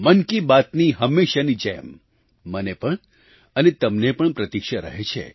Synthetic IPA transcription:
mənkibat̪niɦəmːeʃanid͡ʒemː | ənepəɳ | ənet̪əmnepəɳpɾət̪ikʃaɾə̰ɦet͡ʃʰḛ

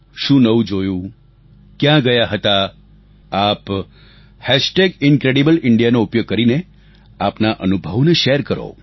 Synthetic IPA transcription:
ʃũnəʋũd͡ʒojũ | kjãɡəjaɦət̪a | ap | hɛʃʈeɡɪnkɾeɽibəlɪɳɖijanoupjoɡ̚kəɾine | apnaʔənubʱəʋneʃeɾkəɾo̰

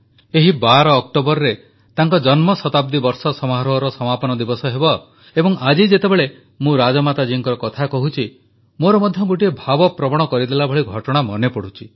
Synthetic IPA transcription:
eɦibaɾɔːk̚ʈobɔɾɔɾe | t̪aŋkɔd͡ʒɔnmɔsɔt̪ab̚d̪ibɔɾsɔsɔmɦaɾɔɦɔɾɔsɔmapɔnɔd̪ibɔsɔɦebɔ | ebɔŋʔad͡ʒid͡ʒet̪ebeɭe | mũɾad͡ʒɔmat̪ad͡ʒiŋkɔɾɔkɔt̪ʰakɔɦut͡ʃʰi | moɾɔmɔd̪ʱjɔɡoʈiebʱabɔpɾɔbɔɽ̃ɔkɔɾid̪elabʱɔɭiɡʱɔʈɔɽ̃amɔnepɔɽ̤ut͡ʃʰi

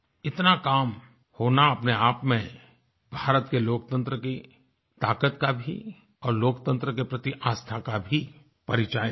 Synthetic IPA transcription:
ɪt̪nakaːm | hoːnaɐpneaːpmẽ | bʱaːɾət̪keloːkt̪ə̃nt̪ɾəki | t̪aːkət̪kabʱḭ | ɔːɾloːkt̪ə̃nt̪ɾək̬epɾɐt̪iʔaːst̪ʰakabʱi | pɐɾit͡ʃaː

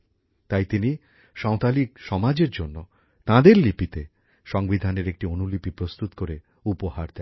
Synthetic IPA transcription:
t̪ajt̪ini | ʃɔwt̪alikʃɔmad͡ʑeɾd͡ʑonːo | t̪ãd̪eɾlipit̪e | ʃɔŋbid̪ʱaneɾek̚ʈionulipipɾost̪ut̪koɾe | upohaɾd̪ɛ

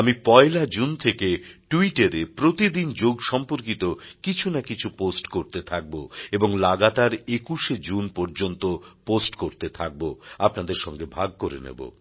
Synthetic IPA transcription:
amipɔelad͡ʑunt̪ʰekeʈuiʈeɾepɾot̪id̪ind͡ʑoɡʃɔmpoɾkit̪okit͡ɕʰunakit͡ɕʰuposʈkoɾt̪et̪ʰak̚boeboŋlaɡat̪aɾekuʃed͡ʑunpoɾd͡ʑont̪oposʈkoɾt̪et̪ʰak̚boapnad̪eɾʃɔŋɡebʱaɡ̚koɾḛnḛbo̰

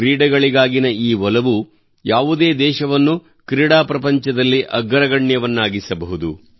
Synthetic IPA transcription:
kɾiːɽɐɡɐɭiɡaːɡinɐiːʋɔlɐʋu | jaːʋud̪e̞ːd̪ɛːʃɐʋɐnːu | kɾiːɽaːpɾɐpɐɲt͡ʃɐd̪ɐlːiʔɐɡɐɾɐɡɐɳjɐʋɐnːaːɡisɐbɐɦud̪u

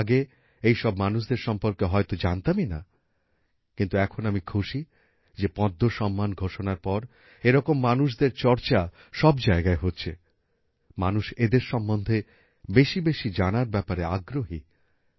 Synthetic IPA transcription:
ɡe | ejʃɔbmanuʃ̬d̪eɾʃɔmpoɾkeɦɔet̪od͡ʑant̪amina̰ | kint̪uɛkʰonamikʰuʃi | d͡ʑepɔ̃d̪ʱːoʃɔmːanɡʱoʃonaɾpɔɾ | eɾɔkomːanuʃ̬d̪eɾt͡ɕɔɾt͡ɕa | ʃɔbd͡ʑaeɡaeɦotːɕʰe | manuʃed̪eɾʃɔmːond̪ʱe | beʃibeʃid͡ʑanaɾbɛpaɾeaɡɾoɦi

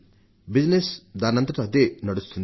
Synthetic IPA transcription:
bid͡ʒnesd̪aːnɐnt̪ɾɐt̪ɐt̪enɐɽust̪und̪

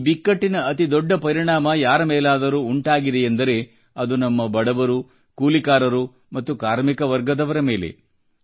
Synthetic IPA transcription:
bikːɐʈːinɐɐt̪id̪ɔɖːɐpɐɾiɳaːmɐjaːɾɐmeːlaːd̪ɐɾuːɳʈaːɡid̪ejɐnd̪ɐɾe̞ | ɐd̪unɐmːɐbɐɽɐʋɐɾu | kuːlikaːɾɐɾu | mɐt̪ːukaːɾmikɐʋɐɾɡɐd̪ɐʋɐɾɐme̞ːle̞̰

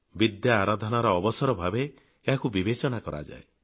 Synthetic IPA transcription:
bid̪jaːɾad̪ʱɔnaɾɔːbɔsɔɾɔbʱabeː | ɦakubibet͡ʃɔnakɔɾa̰d͡ʒa̰e

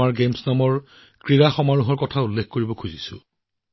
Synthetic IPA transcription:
aɹɡemsnamɔɹ | kɹiɹaxɔmaɹuɦɔɹkɔtʰaulːekkoɹibɔkʰuzisʊ̰

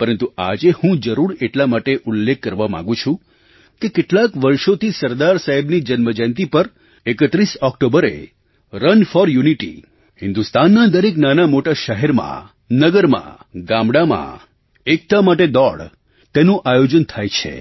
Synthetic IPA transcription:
pəɾənt̪ua̰d͡ʒehũd͡ʒəɾuɾeʈlamaʈeʔulːekːəɾʋamã̰ŋɡũt͡ʃʰũ | kekeʈlakʋəɾʃot̪ʰisəɾd̪aɾsaɦɛbnid͡ʒənməd͡ʒɛnt̪̬ipəɾ | ekət̪ɾisɔkʈobəɾḛ | ɾənfɔɾjuniʈḭ | hɪnd̪ust̪anːad̪əɾeknanamoʈaʃəɦɛɾmã̰ | nəɡəɾmã̰ɡãmbɽamã̰ | ek̚t̪amaʈed̪ɔɭ | t̪enũʔajod͡ʒənt̪ʰajt͡ʃʰḛ

